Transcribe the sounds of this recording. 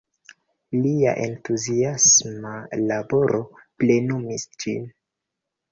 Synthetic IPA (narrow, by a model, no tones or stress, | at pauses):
lia̰ʔe̞̰ntuziasmalabo̞ɾʔo̞ | plenumisd͡ʒin